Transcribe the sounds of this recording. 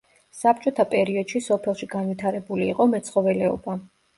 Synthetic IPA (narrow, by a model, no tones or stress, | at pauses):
sap̚t͡ʃʼɔt̪ʰapʼɛɾiɔd̪̥ʃisɔpʰɛlˠʃiɡanvit̪ʰaɾɛbuliːqʼɔmɛt̪sʰχɔvɛlɛɔ̰ba